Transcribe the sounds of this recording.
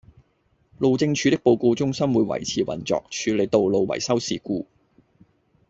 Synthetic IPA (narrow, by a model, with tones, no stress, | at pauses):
lo˨wt͡sɪ˧ŋt͡ʃʰyː˨˧t̪ɪ˥k̚po˨˧wko˧t͡sʊ˥ŋsɐ˥mwuː˨˧jwɐ̰˨˩jt͡sʰiː˨˩wɐ̰˨˩nt͡sɔ̰ː˨k̚t͡ʃʰyː˨˧le˨˧jt̪o˨wlo˨wwɐ̰˨˩jsɐ˥wsiː˨˩kuː˧